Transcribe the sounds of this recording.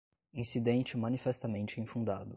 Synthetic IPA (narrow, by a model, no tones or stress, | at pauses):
ĩsid̪ẽnt͡ʃɪmɐ̃nifɛst̪ɐmẽnt͡ʃɪĩfũnd̪ad̪ʊ